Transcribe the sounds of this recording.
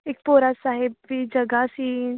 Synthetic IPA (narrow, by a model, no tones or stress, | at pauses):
ɪk̚poːɾasaːɦɪbid͡ʒɐɡasiː